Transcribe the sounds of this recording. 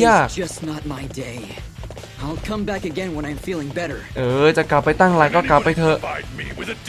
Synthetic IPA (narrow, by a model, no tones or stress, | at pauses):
jaːk̚d͡ʒʌsnət̚maɪdeɪ | aɪlˠkʰʌ̃mbækɨɡɛ̃nwə̃ñãɪɨ̃ɱfilˠɪ̃ŋbɛɾə˞ʔɤːt͡ɕaʔklapːajt̪aŋlaːjkɔːklapːajt̪ʰɤʔiw